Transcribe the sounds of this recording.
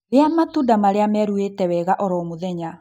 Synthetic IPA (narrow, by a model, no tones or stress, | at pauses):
neamatuːdamaɾeamɛɾuetɛwɛɣaʔɔɾɔomoðɛɲa